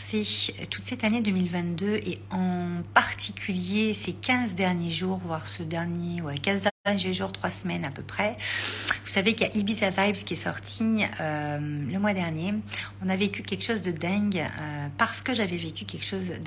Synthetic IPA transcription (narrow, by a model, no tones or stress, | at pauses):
set̪ʰut̪sɛt̪aned̪ømilvɛ̃t̪d̪øʔeɑ̃paʁt̪ʰikʲʰyljesekʲɛ̃zd̪ɛʁnjeʒuːʁvwaʁsəd̪ɛʁnjewɛkʲɛ̃zd̪ɛɛʁnjeʒuʁt̪χwasmɛnapøpχɛ | vusavekaʔibizavajbzkʲiɛsɔ̰ʁt̪ʰiømləmwad̪ɛʁnjeɔ̃navekʲykʲɛlkʃozd̪əd̪ɛ̃ɡøpaʁsə̥kəʒavɛvekʲykʲɛlkʃozd̪